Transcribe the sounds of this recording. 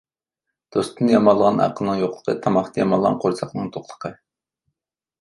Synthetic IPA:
d̪̥ost̪ɨnɨjɑmɑlˠːəʁɑnʔɑ̰qəlˠnɨŋjoqlˠə̥qʰət̪ʰɑmɑχt̪ʰɑjɑmɑlˠʁɑ̰nqʰoɾsʰɑχnɨŋt̪ʰoχlˠə̥qʰə

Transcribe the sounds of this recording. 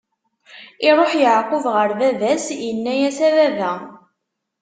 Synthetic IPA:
ɪɾˤoħjəʕqʊvʁəɾðæðæsjənːæjæsæðæðæ

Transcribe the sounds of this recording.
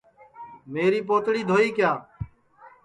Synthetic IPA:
meːɾiːpoːt̪ɽiːd̪ʱoːiːkjaː

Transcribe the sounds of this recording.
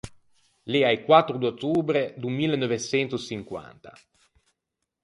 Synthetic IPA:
leaikwat̪ːɾud̪ot̪ːuːbɾed̪umːiːlːenːovesɛnt̪usiŋkwa̰nt̪a

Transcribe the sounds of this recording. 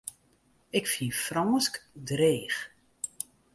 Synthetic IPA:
ɪkfiəfrɔːskdreːx

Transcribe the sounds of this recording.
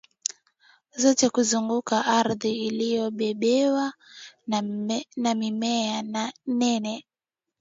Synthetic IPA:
zɔtɛkuzuŋɡukaʔaɾðiːlijɔɓɛɓɛwa | namimɛananɛnɛ

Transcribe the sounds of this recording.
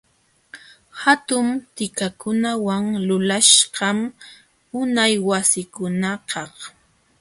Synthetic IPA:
hat̪ʊmt̪ɪkakʊnawaŋlʊlaʃɢɑm | ʊnajwasɪkʊnakɑh

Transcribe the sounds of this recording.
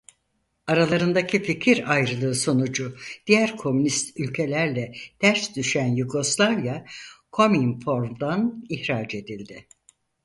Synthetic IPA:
aɾalˠaɾɯnd̪acʰificʰiɾajɾɯlˠɯːso̞nud͡ʒud̪̥ijæɾkʰo̞mynist̪ylʲcʰe̞lʲæɾlʲɛd̪̥æɾsd̪yʃænjuɡo̞slˠavjakʰo̞minfo̞ɾmd̪aniçɾaːd͡ʒe̞d̪ilʲd̪ɪ

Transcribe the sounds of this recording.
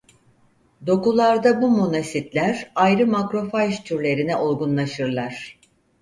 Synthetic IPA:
d̪o̞kulˠaɾd̪abumonasit̪lʲæɾajɾɯmakɾo̞fajʃt̪ʰyɾlʲe̞ɾinɛʔolɡunlˠaʃɯɾlˠaɾ̥

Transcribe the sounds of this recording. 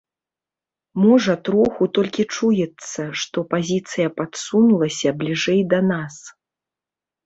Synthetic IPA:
mɔʐɐt̪ɾɔxut̪ɔlʲkʲit͡ʂujɛt̪sːɐʂt̪ɔpazʲit̪sɨjɐpat̪sunulˠɐsʲɐblʲiʐɛjd̪ɐnas

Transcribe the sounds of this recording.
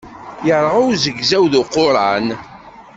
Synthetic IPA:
jəɾˤʁʊwzəɡzæwðʊqːʊɾˤɑn

